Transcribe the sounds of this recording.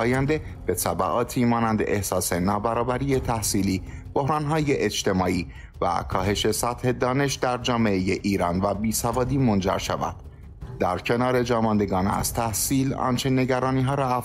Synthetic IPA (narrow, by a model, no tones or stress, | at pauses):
jænd̪e̞ | b̥e̞t̪ʰæbæ̰ɣɒːt̪ʰiːmɒːnænd̪eʔehsɒːse̞nɒːbæɾɒːbæɾije̞t̪ʰæhsiːliːb̥o̞hɾɒːnɦɒːje̞ʔed͡ʒt̪e̞mɒːʔiː | væ̰kʰɒːɦe̞ʃe̞sæt̪he̞d̪ɒːne̞ʃd̪æɾd͡ʒɒːme̞ʔeje̞ʔiːɾɒːnvæbiːsævɒːd̪iːmo̞nd͡ʒæ̰ɾʃæ̰væ̰nd̪̥ | d̪æɾcʰe̞nɒːɾe̞d͡ʒɒːmɒnd̪e̞ɡɒːnæ̰z̥t̪ʰæhsiːlɒ̰nt͡ʃʰe̞ne̞ɟæɾɒːniːɦɒːɾɒːæ